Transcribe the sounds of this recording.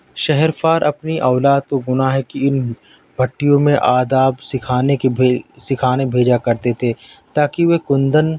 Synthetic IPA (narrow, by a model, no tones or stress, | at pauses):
ʃɛɦɛɾfaːɾʔɐpniʔɔːlaːd̪̚koɡʊnaɦɛkiɪn | bʱɐʈːijõmẽʔaːd̪aːbsɪkʰaːnesɪkʰaːnebʱeːd͡ʒakɐɾt̪et̪ʰe | t̪aːkiʋekʊ̃nd̪ən